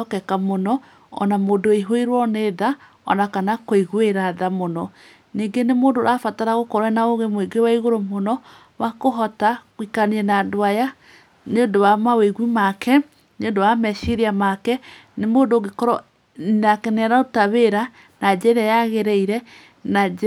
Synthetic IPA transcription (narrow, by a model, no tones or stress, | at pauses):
ɔkɛkamonɔ | ɔ̰namodoiɦoeɾwɔneːða | ɔ̰nakanakoiɣweɾaðamonɔ | niŋɡenemoːndoɾafataɾaɣokɔɾɛnaoɣemweɡewaiɣoɾomonɔ | wakoɦɔtaɣwikaniɛnadoaja | neodowamaweɣwimakɛ | neondowamɛʃeɾiamakɛnemoːdoɡekɔɾɔ | akɛnɛɾaotaβeɾa | nad͡ʑɛðɛjaɣeɾɛiɾɛ | nad͡ʒ